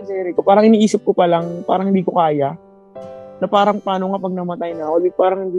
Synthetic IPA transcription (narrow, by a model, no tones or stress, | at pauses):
sɛɾɪkopaːɾɐŋʔɪniːʔiːsɪp̚kopɐlaŋpa̰ːɾɐŋhɪnd̪iːkokaːja | nɐpaːɾɐŋpaːnoŋapɐɡ̚nɐmɐt̪ajnɐkobɪpaːɾɐŋhɪnd̪i